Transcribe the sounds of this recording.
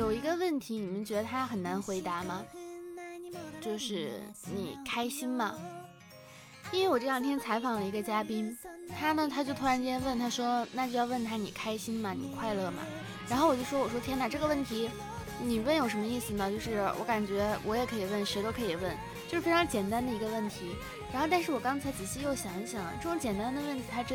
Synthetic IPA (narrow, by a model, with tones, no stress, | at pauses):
jo˨˩ʊi˧˥ɡə˧wə˥˩nt̪ʰi˧˥ni˨˩mə˦nt͡ɕɥɛ˧˥d̪ə˧t̪ʰa˥xə˨˩nna˧˥nxwe˧˥ɪt̪a˧˥mɐ˨ | t͡ɕjo˥˧ʊʂɻ̩˥˩ni˨˩˦kʰa˥ɪɕi˥nmɐ˨ | i˥nwwɔ˨˩t͡ɕɤ˥˩jɑ˥ŋt̪ʰjɛ˥nt͡sʰa˧˥ɪfɑ˨˩ŋlə˦i˧˥ɡə˧t͡ɕja˥pi˥nt̪ʰa˥nə˨t̪ʰa˥t͡ɕjo˥˧ʊt̪ʰu˥ɻa˧˥nt͡ɕɛ˥n˥wə˥˩nt̪ʰa˥ʂwɔ˥na˥˩t͡ɕjo˥˧ʊjɑ˥˧ʊwə˥˩nt̪ʰa˥ni˨˩kʰa˥ɪɕi˥nmɐ˨nḭ˨˩kʰwa˥˧ɪlɤ˥˩mɐ̰˩ | ɻa˧˥nxwɔ˨˩t͡ɕjo˥˧ʊ˩ʂwwɔ˨˩ʂwɔ˥t̪ʰjɛ˥na˧ʈ͡ʂɤ˥˩ɡə˩wə˥˩nt̪ʰi˧˥ | ni˨˩wə˥˩njo˨˩ʊʂə˧˥mə˧i˥˩sɹ̩˩nə˩t͡ɕjo˥˧ʊʂɻ̩˥˩wʔɔ̰˧˥ka˨˩nt͡ɕɥɛ˧˥wʔɔ˧˥jɛ˨˩kʰɤ˧˥i˨˩wə˥˩nʂɛ˧˥ɪt̪o˥ʊkʰɤ˧˥i˨˩wə˥˩n | t͡ɕjo˥˧ʂɻ̩ʰ˥˩˥ɑ˧˥ŋt͡ɕjɛ˨˩nt̪a˥nd̪ə˨i˧˥ɡə˧wə˥˩nt̪ʰi˧˥ | ɻa˧˥nxo˥˧ʊt̪a˥˧nʂɻ̩˥˩wɔ˨˩kɑ˥ŋt͡sʰa˧˥ɪt͡ɕi˨˩ɕi˥˧˥jo˥˩ʊɕjɑ˧˥ŋɕjɑ˨˩˦ŋ˦ʈ͡ʂɤ˥˩ʈ͡ʂʊ˧˥ŋt͡ɕjɛ˨˩nt̪a˥n˧d̪ə˨wə˥˩nt̪ʰi˧˥t̪ʰa˥ʈ͡ʂ